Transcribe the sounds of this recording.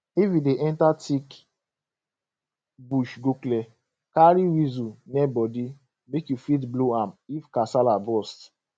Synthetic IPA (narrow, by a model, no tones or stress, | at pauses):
ivĩdeʔɛntatʰik | buʃɡoklɛ | kaɾiwizunɛbɔdi | mekjufitbloamifkasalabɔst